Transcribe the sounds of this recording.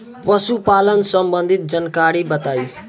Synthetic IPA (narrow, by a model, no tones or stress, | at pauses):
pʌsupalənsʌmbənd̪ʱit̪̚d͡zʌnkaɾibʌt̪aj